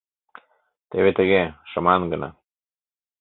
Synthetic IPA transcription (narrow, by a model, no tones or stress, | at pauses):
t̪eβet̪əɣeʃə̆mɑnɡənɑ̰